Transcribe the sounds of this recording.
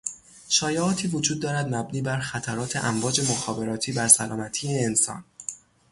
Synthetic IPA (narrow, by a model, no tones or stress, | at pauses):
ʃɒːjeɒːt̪ʰiːvod͡ʒuːd̪ːɒːɾæd̪mæbniːbæɾxæt̪ʰæɾɒːt̪ʰe̞ʔæɱvɒːd͡ʒe̞moxɒːbe̞ɾɒːt̪ʰiːbæɾsælɒːmæt̪ʰiːeːnsɒ̰n